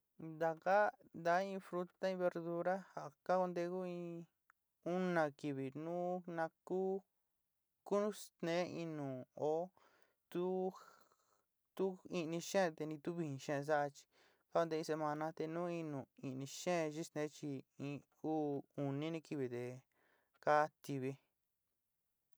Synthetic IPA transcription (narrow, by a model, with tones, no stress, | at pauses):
nd̪a˨ka˦ | nd̪a˨˦ĩ˦˧fɾu˧t̪a˦ĩ˧βe˧ɾðu˧ɾa˦ha˨ka˦ko˧nd̪e˧ku˦ĩ˧ | u˦nã˨ki˨βi˨nũ˦nã˧kuː˦ | ku˦nũ˦st̪nẽ˨˦ĩ˧nũ˨o˦ | t̪u˦ | t̪u˦i˧nĩ˧ʃẽ˦˧t̪e˧nĩ˧t̪u˦βi˧ĩ˧ʃẽ˦ẽ˧s̬a˦ʔa˧t͡ʃi̥˧ | ka˦ko˧d̪e˧ĩ˧s̬e˧mã˧nã˧t̪e˧nũː˦ĩ˧nũ˨i˧ʔnĩ˧ʃẽ˦˧ʒi˦st̪nẽ˨˦t͡ʃi˧ĩ˧ | uː˦u˨nĩ˦nĩ˧ki˧βi˨t̪e˧˨ | ka˦t̪i˧βi˧